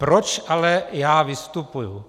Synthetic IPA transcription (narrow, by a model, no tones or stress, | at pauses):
pɾot͡ʃʔalɛjaːvɪst̪upuju